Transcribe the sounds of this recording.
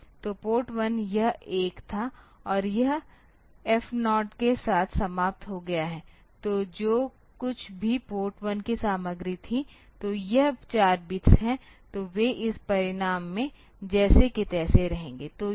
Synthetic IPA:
t̪opoːʈwɐnjɐɦeːkt̪ʰaɔːɾjɐɦ | ɛfnɔːʈkesaːt̪ʰsɐmaːp̚t̪ɦoɡɐjaɦɛː | t̪oːd͡ʒoː | kʊt͡ʃʰbʱipoːɾʈwɐnkisaːməɡɾit̪ʰit̪oːjɐɦt͡ʃaːɾbɪtsɦɛ̃t̪oʋeʔɪspɐɾɪɽaːmːẽ | d͡ʒɛːsekɪt̪ɛːseɾɐɦẽːŋɡeːt̪oː

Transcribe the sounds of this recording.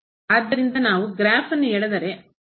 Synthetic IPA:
aːd̪ːɐɾind̪ɐnaːʋuɡɾaːfɐnːueːɭed̪ɐɾe

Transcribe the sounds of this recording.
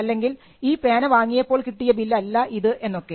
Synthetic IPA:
ɐlːe̞ŋɡil | iːpeːnɐʋaːŋːijɐpːo̞ːɭkiʈːijɐbilːɐːlːɐʔiðɨʔe̞nːo̞kːe

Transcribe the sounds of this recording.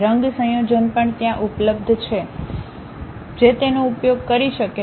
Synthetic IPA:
ɾəŋɡsə̃jod͡ʒənpəɳt̪jãʔupləbd̪ʱt͡ʃʰe | d͡ʒet̪enoupjoɡ̚kəɾiʃəke

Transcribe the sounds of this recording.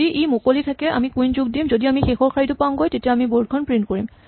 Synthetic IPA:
iʔimokolitʰakɛa̰mikũjnzuɡ̚dimzodiamixexɔɹkʰaɹitʊpamɡojtetiaamiboɹd̚kʰɔnpɹintkoɹim

